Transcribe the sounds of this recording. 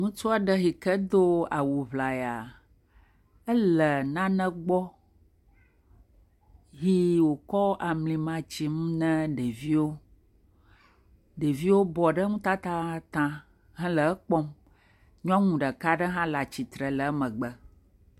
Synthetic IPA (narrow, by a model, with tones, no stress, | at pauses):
ŋũ˦t͡ʃu˦a˨ɖə˦ɦi˨kə˦d̪o˦a˨wu˨βla˨ja˨ | ə˦lə˨nã˦nɛ̃˦ɡ͡bɔ˦ | ɦi˦wo˨kɔ˦ʔa˨mlĩ˨mã˨t͡ɕi˨mũ˦nɛ̃˦ɖe˨vi˦wo˦ | ɖe˨vi˦wo˦bɔ˨ɖə˦ŋũ˦t̪a˦t̪a˦t̪ã˦ | ɦɛ̃˦lə˨˦k͡pɔ˦m | ɲũ˦ã˦ŋũ˨ɖə˨ka˦ɖə˦ɦã˦la˨t͡ɕi˨t̪ɾə˨lə˨˦mə̃˨ɡ͡bə˦